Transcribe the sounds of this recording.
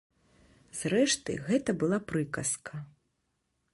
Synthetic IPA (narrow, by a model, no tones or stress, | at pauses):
z̥rɛʂt̪ɨ̰ɣɛt̪ɐbɨlˠapɾɨkɐskʰɐ